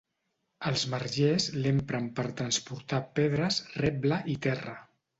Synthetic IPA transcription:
əlˠzmərʒezlempɾəmpəɾt̪ɾənspuɾt̪apeð̞ɾəsrɛbləʔit̪ɛrə

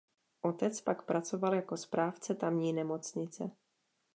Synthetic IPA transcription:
ʔo̞t̪ɛt͡spakpɾʔat͡so̞valjako̞spɾaːft͡sɛt̪amɲiːnɛmo̞t͡sɲɪt͡sɛ

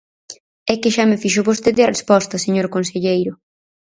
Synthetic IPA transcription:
ɛkɪʃamɪfiʃʊβost̪eðɪɐrespɔst̪ɐseɲoɾkonseʎejɾʊ

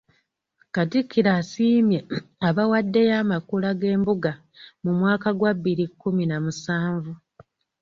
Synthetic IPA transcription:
katikʰːiɾaːsiːmjeaβawadːe̞jaːmakulaɡe̞ːmbuɡa | mumwaːkaɡwaβːiɾikːuminamusaːɱvu

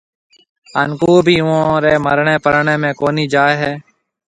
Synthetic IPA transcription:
ənkuːbʱiːʊõːɾeːməɾɳẽːpəɾɳẽːmẽːkoːniːd͡ʒaːeɦeː

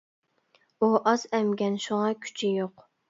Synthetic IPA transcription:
uʔɑzɛmɡʲɛnʃuŋɑkʲʰy̥t͡ʃʰɪjoq

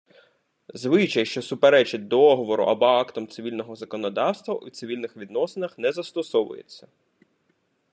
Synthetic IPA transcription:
zʋɪt͡ʃɐjʃt͡ʃɔsʊpeɾɛt͡ʃɪt̚ʲd̪ɔɦɔʋɔɾʊ̰ʔɐbɔɑkt̪ɔmt̪sɪʋʲilʲnɔɦɔzɐkɔnɔd̪ɑwst̪ʋɐʔut̪sɪʋʲilʲnɪxʋʲid̪nɔsenɐxnɛzɐst̪ɔsɔʋʊ̰jḛt͡sʲːɐ

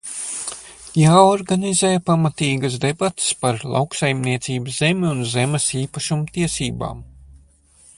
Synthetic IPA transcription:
jaːɔɾɡanizɛːjpamat̪iːɡas̬d̪ebat̪spaɾlˠa̰wksajmniɛt̪siːbəszemʲiunzemɛsiːpaʃumut̪iɛsiːba̰ːm

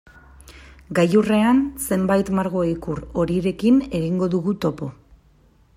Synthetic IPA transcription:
ɡajure̞anse̞mbajt̪maɾɣ̞o̞ikuro̞ɾiɾe̞kine̞ɣiŋɡo̞ðuɣut̪o̞po̞

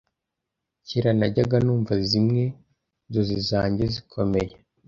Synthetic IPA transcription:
ciɾanaɟaɡanuːɱvazimŋe̞ | zozizaːɲɟezikʰo̞me̞je

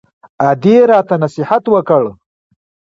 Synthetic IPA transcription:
ad̪eɾɑt̪anasɪhat̪wəkəɭ

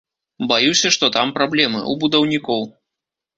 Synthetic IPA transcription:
bajusʲɐʂt̪ɔt̪ampɾablʲɛmɨ̰ʔṵbud̪ɐwnʲikɔw

